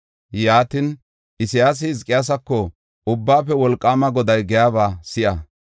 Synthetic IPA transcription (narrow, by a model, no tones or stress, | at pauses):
jaːt̪ɪn | ʔɪsɪjaːs̬ɪɪzkʼːɪjaːs̬ɐkːɔ | ʔʊbːaːpːɛwɔlkʼːaːmɐɡɔd̪ɐjɡɛjaːβaːsɪʔɐ